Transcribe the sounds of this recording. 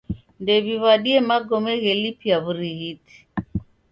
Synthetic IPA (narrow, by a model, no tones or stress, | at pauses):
ndɛβiβaɗiɛmaɡɔmɛɣɛlipiaβuɾiɣiti̥